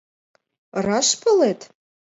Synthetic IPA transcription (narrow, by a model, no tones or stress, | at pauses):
rɑʃpʰəlet̪ʰ